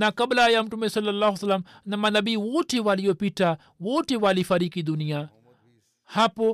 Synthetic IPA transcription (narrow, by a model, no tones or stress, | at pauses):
nakɐblaːjamʈumesɐlːɐlːaɦsɐlːɐmnɐmanɐbiwoʈʰeʋaːlijopiʈʰa | woʈeʋaːlifɐɾiːkid̪unija | hapo